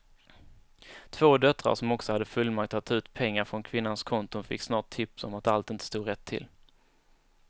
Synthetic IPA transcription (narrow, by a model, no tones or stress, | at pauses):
t̪ʰv̥oːd̪œt̪ɾa̰ɾʂɔmɔksɔhad̪ːəfɵlːmakt̪ʰːat̪ʰːʉ̟ːt̪pʰɛŋːaɾfɾɔnkʰvɪnːanskʰɔnt̪ʊfɪ̰kːsnɑːʈ̚ʰːɪpsɔ̰mat̪alt̪ɪnt̪əst̪uːɾɛt̪ʰːɪ̰l